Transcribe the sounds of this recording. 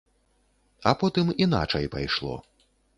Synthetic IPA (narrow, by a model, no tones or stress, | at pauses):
ɐpɔt̪ɨmin̪a̰t͡ʂɐjpajʂlˠɔ̰